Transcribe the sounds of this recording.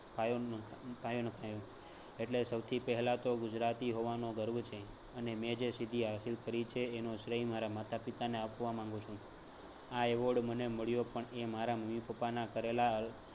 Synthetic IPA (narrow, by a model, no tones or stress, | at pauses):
pajopajonəkʰajo | eʈlesəwt̪ʰipɛɦlat̪oɡʊd͡ʒɾat̪iɦoʋanoɡəɾbt͡ʃʰe | ənemɛ̃d͡ʒesid̪ʱiɦasilkəɾit͡ʃʰeːnoʃɾəɦimaɾamat̪ʰapit̪aneapʋamãŋ̆ɡũt͡ʃʰũ | aeʋoɖməneməɭjopəɳemaɾaməmipəpanakəɾelaəl